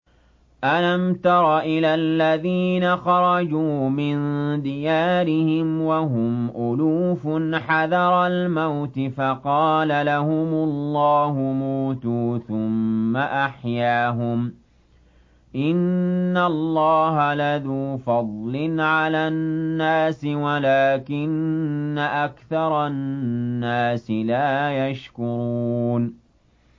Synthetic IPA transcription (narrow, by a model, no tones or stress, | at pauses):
ʔalamt̪ɑɾˤɑʔɪlalːaðiːnaxɑɾˤɑd͡ʒuːmɪnd̪ɪjaːɾɪhɪmwaɦʊmʔʊluːfʊnħaðɑɾˤɑlmawt̪ɪfaqɑːlalahʊmʊlːɑːhʊmuːt̪uːθʊmːaʔaħjaːɦʊm | ʔɪnːalːɑːɦalaðuːfɑd̪ˤlɪnʕalaːnːaːsɪwalaːkɪnːaʔakθɑɾˤɑnːaːsɪlaːjaʃkʊɾuːn